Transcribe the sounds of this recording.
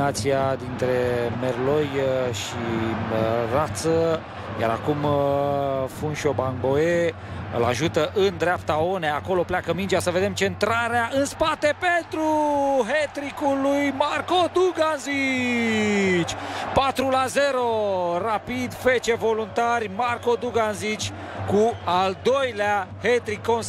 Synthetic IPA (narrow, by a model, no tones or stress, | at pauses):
at̪siad̪int̪ɾe̞merlo̞jʃi | rat̪sə | ja̰ɾa̰kum | funʃo̞baŋbo̞e | ɨ̰laʒut̪əʔɨnd̪ɾeapt̪ao̞neako̞lo̞pleakəmind͡ʒasəve̞d̪e̞mt͡ʃe̞nt̪ɾaɾeaʔɨnspat̪e̞pe̞nt̪ɾuɦet̪ɾikulujmarkod̪uɡanzi | t͡ʃʲpat̪ɾulaze̞ɾo̞rapid̪fe̞t͡ʃe̞vo̞lunt̪arʲmarko̞d̪uɡanzit͡ʃʲ | kuald̪o̞jleahet̪ɾikːons